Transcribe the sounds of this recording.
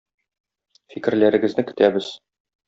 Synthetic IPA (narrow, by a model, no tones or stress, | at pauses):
fikɘ̆ɾlæɾɘ̆ɡɘ̆znɘkɘ̆t̪æbɘz̥